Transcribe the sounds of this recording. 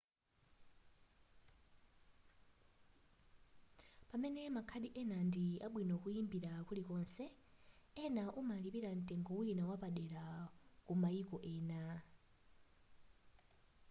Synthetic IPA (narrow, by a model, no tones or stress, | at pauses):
pamɛnɛmakʰaɗiʔɛnandiaɓwinɔkujimbiɾakulikɔnsɛ | ɛnaʔumalipiɾan̩tʼɛŋɡɔwuinawapaɗɛɾakumaikɔʔɛːna